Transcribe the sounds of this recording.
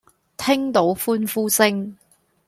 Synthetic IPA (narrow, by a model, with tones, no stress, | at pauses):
t̪ʰɪ˥ŋt̪o˨˥wfuː˥nfuː˥t͡sɪ˥ŋ